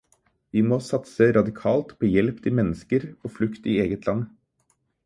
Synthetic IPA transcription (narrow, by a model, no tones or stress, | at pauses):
ʋimoːsɑt̪səɾɑd̪ɪkʰɑːlt̪pʰoːjɛlpt̪ʰɪlmɛnːəskəɾoːflʉkt̪ɪeːɡət̪lɑnː